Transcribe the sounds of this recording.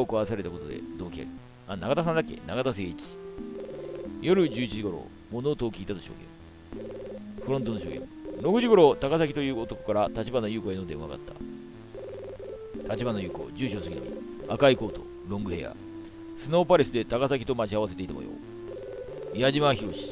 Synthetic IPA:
okoaseɾe̞t̪akot̪o̞d̪e̞̰d̪o̞ːkʲia̰ɾʲḭ | anaɡat̪as̬ãnd̪akːe̞̰naɡat̪as̬eit͡ɕi̥ | jo̞ɾɯ̟d͡ʑɨːit͡ɕiʑiɡo̞ɾo̞̰ | mo̞noːt̪o̞ːkʲiːt̪at̪oɕoːɡḛ̃m | ɸɯ̟ɾõ̞nt̪ono̞ɕoːɡḛ̃m | ɾo̞kɯ̟ʑiɡo̞ɾo̞t̪akasakʲit̪o̞jɯ̟ːot̪o̞kokaɾat̪at͡ɕibano̞jɯːko̞eno̞d̪eɯβa̰ɡa̰t̪ʰːḁ̰ | t̪at͡ɕibano̞jɯ̟ːko̞̰d͡ʑɨːɕo̞ːsɨɡinomʲḭ | akaiko̞ːt̪o̞̰ | ɾõ̞ŋɡɯ̟he̞̰ja̰ | sɨnoːpaɾʲesɨd̪e̞t̪akasakʲi̥t̪o̞mat͡ɕiaβase̞t̪e̞it̪a̰mo̰jo̰ː | iaʑimaçiɾo̞ɕi̥

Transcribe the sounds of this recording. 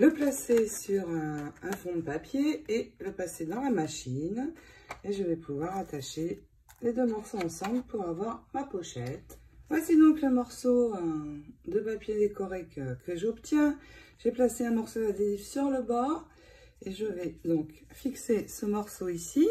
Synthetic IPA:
ləplasesyʁøɛ̃fɔ̃d̪əpapjeeləpased̪ɑ̃lamaʃineʒəvɛpʰuvwaʁat̪aʃe | led̪ømɔʁsoɑ̃sɑ̃bləpuʁavwaʁmapoʃɛt̪vwasid̪ɔ̃kləmɔʁsoəd̪əpapjed̪ekɔʁekəkʰəʒɔpt̪jɛ̃ʒ̥eplaseɛ̃mɔʁsoad̪elivsyʁləbaʁ | eʒəvɛd̪ɔ̃kfiksesəmɔʁsoisi

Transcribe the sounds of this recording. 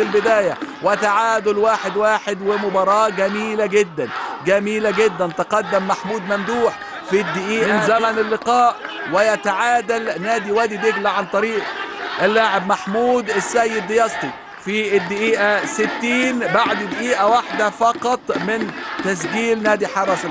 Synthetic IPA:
ɪlbɪd̪æːjawɪt̪aʕaːd̪ʊlwaːħɪd̪waːħɪd̪wɪmʊbɑɾˤɑːʔɡæmiːlaɡɪd̪ːænɡæmiːlaɡɪd̪ːænt̪ɪqɑd̪ːɪmːaħmuːd̪mæmd̪uːħ | fid̪ːɪʔiːʔɪnzæmænɪlːɪqɑːʔwɪjæt̪aʕaːd̪alnæːd̪iwæːd̪id̪ɪɡlaʕant̪ˤɑɾiːʔʔɪlːaːʕɪbmaħmuːd̪ɪsːæjːɪd̪ːɪjɑst̪ˤi | fiɪd̪ːɪʔiːʔæsɪt̪ːiːnbaʕd̪ɪd̪ɪʔiːʔawaħd̪afɑqɑt̪ˤmɪnt̪æs̬ɡiːlnæːd̪iħɑɾˤɑs

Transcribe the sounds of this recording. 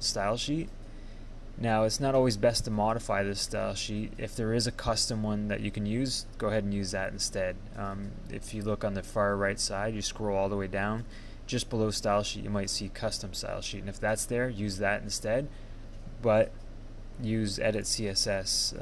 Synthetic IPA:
staɪlˠʃit̚ | naʊɨtsnəɾɔlˠwizbɛstʰəmɑɾɨfaɪðɨstaɪlˠʃitɪ̰fðə˞ɨzɨkʰʌstə̃mwʌ̃nðɨ̰t͡ʃɨkʰɨ̃n̩jʉzɡ̥oʊəɦɛɾn̩jʉzðɨɾn̩stɛd̚ | ɪ̰fjɨlʊkn̩ðɨfɑɹɹaɪtsaɪdjɨskɹoʊlˠɔlˠðəweɪdãʊ̃n | d͡ʒʌsb̥əloʊstaɪlˠʃit͡ʃʔɨ̰maɪtsikʰʌstə̃msta̰ɪlˠʃitɾɨ̃nɨfðætsðə˞jʉzðɨɾ̃n̩stɛd̚ | b̥ʌt̚ | jʉzɛ̰ɾɨtsiɛsɛs

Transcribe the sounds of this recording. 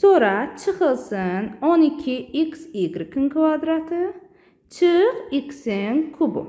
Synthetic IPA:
soɾat͡ʃʰɨqɨlˠsɨnonɪkʲʰːɪiksiɡʲɾɪkʲʰɪnkʰvad̪ɾat̪ʰɨ | t͡ʃʰɨqikʲsɪŋkʰʊbʊ̰

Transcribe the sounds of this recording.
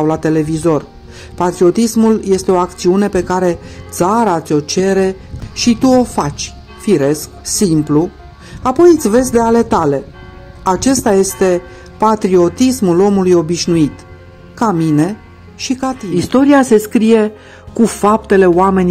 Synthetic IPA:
awlat̪e̞le̞vizo̞r | pat̪ɾio̞t̪ismulje̞st̪e̞o̞akt̪siune̞pe̞kaɾe̞t̪saɾat̪sʲo̞t͡ʃe̞ɾe̞ | ʃit̪uo̞fat͡ʃʲ | fiɾe̞sk̚simplu | apo̞jɨt̪sʲve̞zʲd̪eale̞t̪ale̞ | at͡ʃe̞st̪aje̞st̪e̞ | pat̪ɾio̞t̪ismulo̞mulujo̞biʃnuit̪ | kamine̞ | ʃikat̪iist̪o̞ɾiase̞skɾije̞ | kufap̚t̪e̞le̞oame̞nʲ

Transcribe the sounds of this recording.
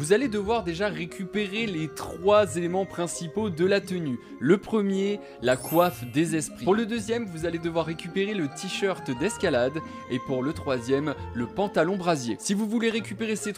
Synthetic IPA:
vuzaled̪əvwaʁd̪eʒaʁekʲypeʁelet̪χwazelemɑ̃pχɛ̃sipod̪əlat̪əny | ləpχəmje | lakwafd̪ezɛspχipuʁləd̪øzjɛmvuzaled̪əvwaʁːekʲypeʁelət̪ʰiʃœʁt̪d̪ɛskʲalad̪ | epuʁlət̪χwazjɛmləpɑ̃t̪alɔ̃bʁazjesivuvuleʁekʲypeʁeset̪

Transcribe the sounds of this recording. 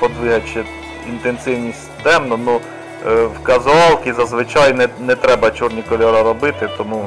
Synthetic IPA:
pɔd̪ʋɪɦɐt͡ʃɛ | int̪ensɪwnʲisʲtʲd̪ɛmnɔnu | wkɐzʊɑlˠkʲizɐzʋɪt͡ʃɑjnɛnɛt̪ɾɛbɐt͡ʃurnʲikɔlʲɔɾɐɾɔbɪt̪ɪt̪ɔmu

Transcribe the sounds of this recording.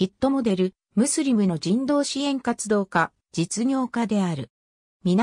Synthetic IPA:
it̪ːo̞mo̞d̪e̞ɾɯ̟ | mɯ̟sɨɾʲimɯ̟no̞d͡ʑĩnd̪o̞ːɕiẽ̞ŋkat͡sɨd̪o̞ːka | d͡ʑit͡sɨɲʲo̞ːkad̪e̞aɾɯ̟ | mʲin

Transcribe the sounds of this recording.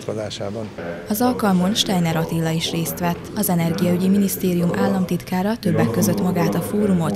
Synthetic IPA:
kozaːʃa̰ːbɒnɒzɒlkɒlmonʃt̪ɛjnɛɾɒt̪ilːɒiʃreːst̪ʋɛt̪ːɒzɛnɛrɡijɒyɟiminist̪eːɾijumʔaːlːɒmt̪it̪kaːɾɒt̪ø̞bːɛkːø̞zø̞t̪mɒɡaːt̪ɒfoːɾumo̞t̪

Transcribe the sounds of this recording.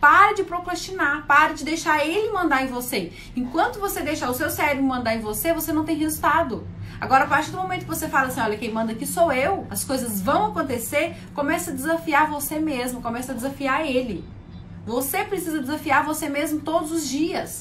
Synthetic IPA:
paɾɐd͡ʒɪpɾokɾast͡ʃinapaɾɐd͡ʒɪd̪ejʃaɾelɪmɐ̃nd̪aɾẽj̃vose | ẽkwɐ̃nt̪ʊvosed̪ejʃaʊsewsɛɾvʊmɐ̃nd̪aɾẽvosevosenɐ̃w̃t̪ẽj̃ɦezuwt̪ad̪ʊa̰ɡɔɾɐapaɾt͡ʃiɾd̪ʊmõmẽt̪ʊkɪvosefalɐsĩɔʎɐkẽj̃mɐ̃nd̪ɐkisowewɐskojzɐzvɐ̃w̃akõnt̪eseɾ | kõmɛsɐd̪ɪzafiaɾvosemezmʊkõmɛsɐd̪ɪzafiaɾelɪ | vosepɾesizɐd͡ʒɪzafiaɾvosemezmʊt̪od̪ʊzʊzd͡ʒiɐs

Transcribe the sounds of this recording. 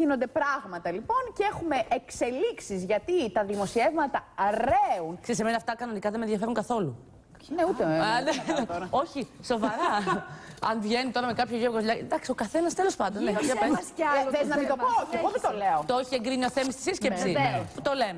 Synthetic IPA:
inond̪epɾɐɣmɐt̪ɐlipo̞nceexume̞ʔekse̞liksizʝɐt̪it̪ɐðimo̞sievmɐt̪ɐɾeunksesemenɐːft̪ɐkɐno̞nikɐðemeðjʝɐfeɾuŋkɐθo̞lu | neuenet̪ɾɐo̞çiso̞vɐɾɐ | ɐnvʝenit̪o̞ɾɐmekɐpçoʝokosʎɐd̪ɐksio̞kɐθe̞nɐst̪e̞lo̞spɐnd̪oneɐpeθezznɐmit̪opooɣomit̪oleot̪ooçieŋɡɾinioθemist̪i̥siscesipt̪oleme

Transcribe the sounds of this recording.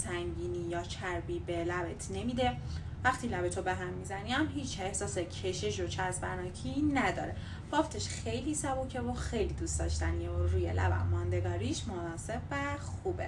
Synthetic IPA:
sæŋɟiːniːjɒːt͡ʃʰæɾbiːbelæbet̪ʰne̞miːd̪e̞ | væxt̪ʰiːlæbet̪ʰobe̞ɦæmːizæniæmɦiːt͡ʃʰe̞hsɒːsecʰe̞ʃeʃ̬ot͡ʃʰæzbæɾnɒːcʰinæd̪ɒ̰ːɾe̞ | vɒːft̪ʰeʃxe̞jliːsæbocʰevoxejliːd̪ust̪ɒ̰ːʃt̪ænioɾuːjḛlæ̰bæ̰mːɒːnd̪e̞ɡɒːɾiːʃmonɒːse̞bvæxuːbḛ

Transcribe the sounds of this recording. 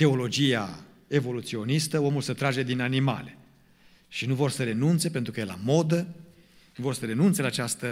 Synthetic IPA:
t̪e̞o̞lo̞d͡ʒija | e̞vo̞lut̪sio̞nist̪əo̞mulsət̪ɾad͡ʒe̞d̪inanima̰le̞ | ʃinuvo̞rsəɾe̞nunt̪se̞pent̪ɾukəjela̰mo̞d̪ə | vo̞rsəɾe̞nunt̪se̞laːt͡ʃast̪ə

